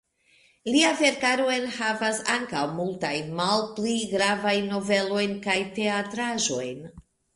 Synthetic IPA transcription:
liave̞ɾkaɾoenhavasaŋkawmultajnmalpliɡɾavajnːo̞ve̞lo̞jnkajte̞atɾaʒo̞̰jn

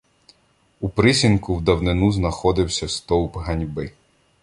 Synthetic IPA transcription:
upɾɪsʲinkʊwd̪ɐwnɪnuznɐxɔd̪ɪwsʲɐst̪ɔwpɦɐnʲbɪ

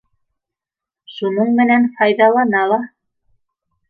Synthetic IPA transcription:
ʃunɤɴmɘ̆nænfɑjðɑlˠɑnɑlˠɑ

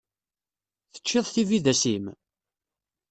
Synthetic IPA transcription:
θə̥t͡ʃːɪðˤθiviðæsim

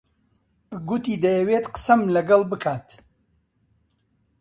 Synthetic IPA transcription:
ɡʊt̪iːd̪ɐjɐweːt̪qə̥sɐmlɐɡɐlˠbɨkʰaːt̪

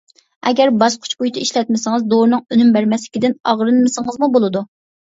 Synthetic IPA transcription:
ɛɡʲæɾbɑʃqʰʊ̥t͡ʃbujt̪ʰɪiʃlɛt̪̚mɪsɨŋɨzd̪oɾnɨŋønymbæɾmɛslɪkʲid̪ɪnɑʁɾɨnmɨsɨŋɨzmubolˠɨd̪u

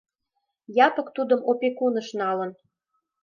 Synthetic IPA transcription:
jɑpɤ̆kt̪ud̪ə̆mopʲekunə̆ʃnɑlə̆n

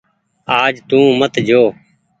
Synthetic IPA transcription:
aːd͡ʒt̪ũːmət̪d͡ʒʱoː

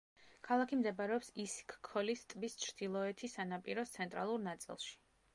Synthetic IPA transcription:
kʰalˠakʰimd̪ɛbaɾɛɔpsiskʰkʰːɔlist̪ʼvist͡ʃʰɾd̪̥ilˠɔɛt̪ʰisanapʼḭɾɔst̪sʰɛnt̪ʼɾa̰lˠuɾnat̪sʼḭlˠʃi̥

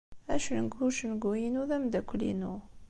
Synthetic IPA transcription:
æʃnɡuʃnɡujinuðæmd̪ækʷːlḭnu

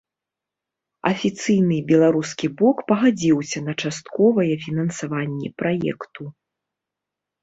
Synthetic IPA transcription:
ɐ̰fʲit̪sɨjnɨbʲɛlˠaɾuskʲiblˠɔkpɐɣad͡zʲiwsʲɐnɐt͡ʂast̪kɔvɐjɛfʲinɐnsavanʲːɛ̰pɾajɛ̰kt̪u

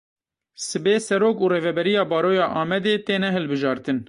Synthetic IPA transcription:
sɨbeːsɛɾoːkuːreːvɛbɛɾijɑːbɑːɾoːjɑːʔɑːmɛd̪eːt̪eːnɛɦɨlbɨʒɑːɾt̪ɨn

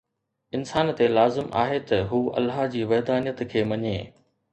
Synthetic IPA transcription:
ɪnsaːnt̪elaːzɪmʔa̰ːɦet̪ɐɦuːɐ̰lːaːɦd͡ʑiːʋɐɦd̪aːnijət̪kʰeːmɐɲeː

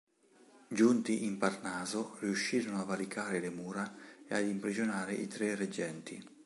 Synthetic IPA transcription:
d͡ʒunt̪iʔimparnaːzʊriuʃːiːɾonoavalikaːɾɪlɪmuːɾaead̪impɾid͡ʒonaːɾɪʔit̪ɾɛred͡ʒːɛnt̪i

